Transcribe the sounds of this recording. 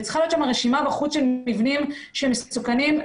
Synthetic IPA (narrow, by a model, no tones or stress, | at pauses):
t͡sχalijot̪ʃamaʁeʃimabaχut͡sʃelivnimʃeemessukanim